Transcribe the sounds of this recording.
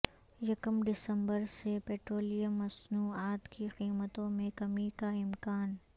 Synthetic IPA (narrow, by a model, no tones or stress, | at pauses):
jɐkəmɖɪsə̃mbəɾsepeːʈɾoːlijəmːɐsnuːaːt̪kiqiːmət̪õmẽkɐmikaɪmkaːn